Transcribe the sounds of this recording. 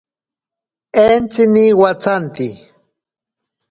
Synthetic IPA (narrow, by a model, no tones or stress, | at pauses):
ent͡sɪniwat͡sant̪i